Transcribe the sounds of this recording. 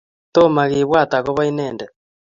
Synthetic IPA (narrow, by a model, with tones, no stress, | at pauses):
to˦ma˨ɣeː˨βwa˦˨ta˨ɣo˦βa˦i˦nɛː˨ndɛ